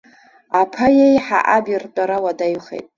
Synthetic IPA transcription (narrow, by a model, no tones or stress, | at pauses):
apʰajejħa̰ʔabirtʷʼaɾawadajχḛtʼ